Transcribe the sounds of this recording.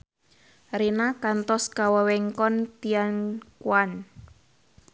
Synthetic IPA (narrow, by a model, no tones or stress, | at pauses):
renakant̪ɔskawəwɛŋkɔnt̪iankuan